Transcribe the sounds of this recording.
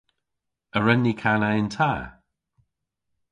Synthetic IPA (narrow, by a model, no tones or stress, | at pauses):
əɹɛnːikʰanaɪntʰaː